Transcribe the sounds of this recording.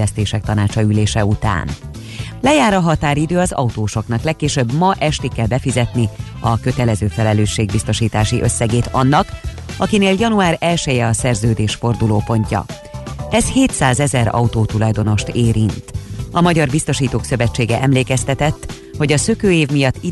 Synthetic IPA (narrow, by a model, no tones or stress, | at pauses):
ɛst̪eːʃɛk̚t̪ɒnaːt͡ʃɒyleːʃɛut̪a̰ːn | lɛjaːɾɒɦɒt̪aːɾid̪øːɒzɒut̪oːʃo̞knɒklɛkːeːʃøbːmɒʔɛʃt̪ikːɛlbɛfizɛt̪ni | ɒkø̞t̪ɛlɛzøːfɛlɛløːʃːeːɡ̚bist̪o̞ʃiːt̪aːʃiʔø̞sːɛɡeːt̪ɒnːɒk | ɒkineːljɒnuaːɾɛlʃɛjɛɒsɛrzøːd̪eːʃfo̞rd̪uloːpo̞ɲcɒ̰ | ɛsheːt̪saːzɛzɛɾɒ̰ut̪oːt̪ulɒjd̪o̞no̞ʃt̪eːɾint̪ɒmɒɟɒrbist̪o̞ʃiːt̪oːksø̞vɛt͡ʃːeːɡɛʔɛmleːkɛst̪ɛt̪ɛt̪ː | ho̞ɟɒsø̞køːeːvmijɒt̪ːi